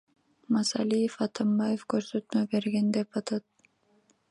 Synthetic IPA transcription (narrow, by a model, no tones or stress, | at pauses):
mɑsa̰lifɑt̪ʰɑmbɑjefkøɾsøt̪møbe̞ɾɡend̪epɑt̪ɑt̪̚